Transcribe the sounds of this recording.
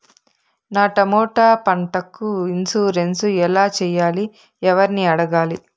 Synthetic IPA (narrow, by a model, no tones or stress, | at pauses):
naːʈɐmɔːʈaːpɐɳʈɐkːuinsuːɾensuɛlaːt͡ʃɛːjaːli | ɛʋɐɾiniɐɽɐɡaːli